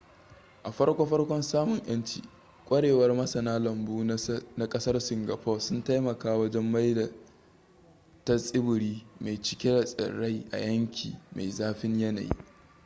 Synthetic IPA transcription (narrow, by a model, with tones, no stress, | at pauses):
ʔa˨ɸɐ˦rkʷa˦ɸɐ˦ɽkʷɔ˦nsaː˦mʊ˨ɲj̰ɐ˦nt͡ʃḭː˨ | kʷʼɐ˦ɽeː˨wɐ˦rmɐ˦sɐ˨naː˦lɐ˨mbuː˦na˦kʼɐ˦sɐ˦rsɪ˨ŋɡa˨ɸɔː˦sʊ˦nta˦jmɐ˨kaː˦wɐ˦d͡ʒɛ˦mːa˦jda˨ | tɐ˦sʼɪ˦bʊ˨ɾiː˦ma˨jt͡ʃɪ̥˨kʲe˦ɽa˨sʼɪ̰˨ɽːa˦jʔa̰˨jɐ˦ŋkʲʰḭː˨ma̰˨jzaː˦ɸɪ˦ɲjɐ˦na̰˨jḭ˦